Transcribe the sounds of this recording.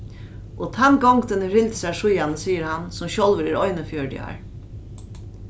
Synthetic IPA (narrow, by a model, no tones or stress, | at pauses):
ʔot̪ʰɛnɡɔŋɡd̪ʰɛnəɾɪld̪sæʂʊjɑnəsiːəɾhansɔmɕɔlʋəɾiɾɔʏnəfjøːɖɪ̰ɑ̰ɹ